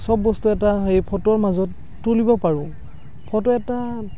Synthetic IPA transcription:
sɔbːɔstuɛtaejpʰɔtɔɹmazɔtː | ulibɔpaɹʊ̃ | pʰɔtɔɛta

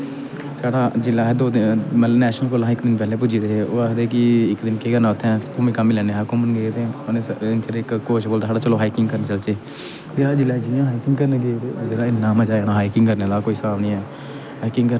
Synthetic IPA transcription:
saːɽaːd͡ʒɪlaːɦɛːd̪oːd̪mələbnɛːʃnəlkoːlãɪkd̪ɪnpɛːleːp̬ʊd͡ʒiːd̪eeːo̰ːakd̪eːkɪɪkd̪ɪnkeːɡənaːʊt̪ʰːɛ̃ːkʊmiːkamilɛːneːaːkʊmənɡeːt̪eːnet͡ʃəɾɪkkoːʃboːlt̪aːsaːɽaːt͡ʃəloːɦaːiːkɪŋɡkəɾnet͡ʃəlt͡ʃeː | t̪eːaːd͡ʒɪlːaːd͡ʒɪlãːɦaːikɪŋɡkəɾneːɡeːt̪eːd͡ʒeːɽaːɪnːãːməd͡ʒaːeːɽaːɦaːikɪŋɡkəɾneːd̪aːkoːiːsəaːʋniːɛː | ɦaːikɪŋɡkə

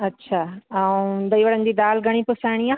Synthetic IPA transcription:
ɐtːɕʰaːaũd̪ɐiʋɐɽənd̪iːd̪aːlɡʱɐɽ̃ipʊsaːɪɽ̃iaː

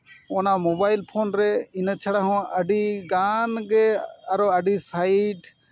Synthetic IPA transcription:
ɔnamɔbajlpʰonɾɛinət͡ʃʰaɽaɦɔ̃əɖiɡanɡɛaɾɔəɖisajʈ

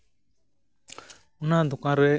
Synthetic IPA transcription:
ʊnad̪ukãɾɛ

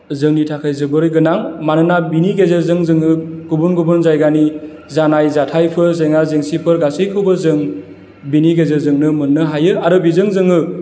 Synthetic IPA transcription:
zɯŋnitʰakʰajzɯbɯɾɡɯnaŋmanɯnabiniɡezeɾzɯŋzɯŋɯɡ̥ubunɡubɯnzajɡani | zanajzatʰajpʰɯɾzeŋazeŋsipʰɯɾɡasɯjkʰɯwbɯzɯŋ | biniɡezeɾzɯŋnɯmɯnːɯɦajɯaɾɯbizɯŋzɯŋɯ

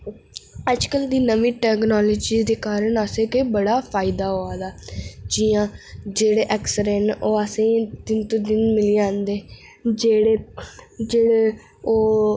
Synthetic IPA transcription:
əd͡ʒkəld̪iːnəʋĩːʈɛːknɔːloːd͡ʒiːd̪eːkaːɾəɳəsẽːkebəɽaːpʰaːɪd̪aːɦoːaːd̪aːd͡ʒijãːd͡ʒeːɽeːʔɛːksəɾɛnoːəsẽːd̪ɪnt̪õːd̪ɪnmɪliːãːnd̪eː | d͡ʒeːɽeːd͡ʒeːɽeː | oː

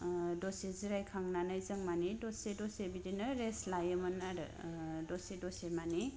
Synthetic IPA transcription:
dɔseziɾajkʰaŋnanajzɯŋmanidɔsedɔsebidinɯɾeslajɯmɯnaɾɯ̰dɔsedɔsemani

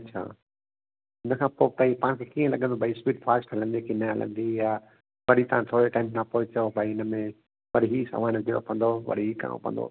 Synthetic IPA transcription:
ɐt͡ɕʰa̰ː | ɪnəkʰãːpot̪ãĩpãːnkʰekiːə̃lɐɠə̃nd̪obʱaispiːʈfʰaːɾsʈɦɐlə̃nd̪ikinəɦɐlə̰̃nd̪ija | ʋɐɽit̪aãt̪ʰoːɾeʈãːɪ̃mnãpoːɪt͡ɕəobʱaiɪnəmẽ | ʋɐɽɦisa̰ʋaːnɡɪɽo̰pʰə̃nd̪oʋɐ̰ɽ̤iɦika̰ːõ̰pʰə̰̃nd̪o̰

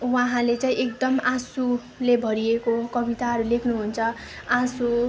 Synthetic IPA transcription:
waɦãlet͡saĩekd̪ʌmãsu | lebʱʌɾiekokʌbit̪aɦʌɾulekʰnuɦunt͡sʰʌ | ãsu

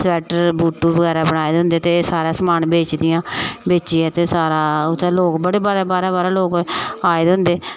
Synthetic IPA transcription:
sɛːʈəɾbuːʈːuːbəɡɛːɾaːbəɽ̃aːeːd̪ɪ̃nd̪eːt̪eːsaːɾãːsəmaːnbeːt͡ʃd̪ɪjãːbeːt͡ʃiːɛːt̪eːsaːɾaʊt̪ːloːkbəɽeːbaɾaːbaːɾaːbaːɾaːloːkaːeːd̪ɪnd̪eː

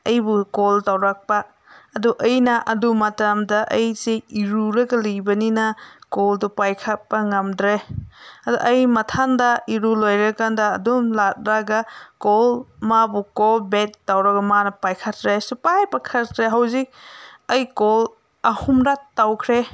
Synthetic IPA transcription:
ɐjbukoltawɾak̚pɐː | duʔɐjnɐʔɐdumɐtamdɐʔɐjseiɾuɾɐɡɐlijbɐninɐkoldupajkʰat̚pɐŋɐmdɾeɐduʔɐjmɐtʰandɐiɾulojɾakandɐːdumlat̚ɾaɡɐkolmabukolbetːawɾɐɡɐmanɐpajkʰatɾesupajpakʰɐɾkɾeɦawzik̚ɐjkol | ɐhumɾatːawkʰɾe

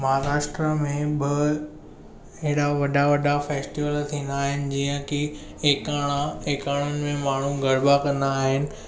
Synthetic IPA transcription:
mɐɦaɾaːʃʈɾəmẽbɪ | ɐɦɪɽaʋɐɖaʋɐɖafeːsʈiʋəlt̪ʰĩːnd̪aːɦɪnɪ̆d͡ʑiːə̃ki | eːkaːɽ̃aeːkaːɽ̤̃ʊnɪ̆mẽmaːɳ̤uɡʱɐɽbakɐ̃nd̪aːɦɪnɪ̆

